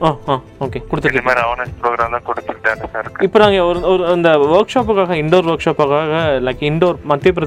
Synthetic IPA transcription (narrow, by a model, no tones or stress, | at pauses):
aːaː | oːkeːkɔɽɯt̪ːɯɐmaːɾiaːnɐspɾoːɡɾaːmt̪ãːkɔɽɯt̪ːɯʈːaːnɐsaːɾɪɾɯkːɪpːoːnãːŋɡɐɔɾɯɔɾɯɐnd̪ɐʋɐɾkʂaːp̬ːɯkaːɣɐɪɳɖoːɾʋɐɾkʂaːpaːkaːɣɐlɐɪkːɐɪɳɖoɾmɐt̪ːep̬ːɪɾɐ